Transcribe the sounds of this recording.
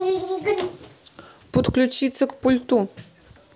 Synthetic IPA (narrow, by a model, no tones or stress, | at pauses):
pot̪klʲut͡ʃit̪səkpolʲt̪u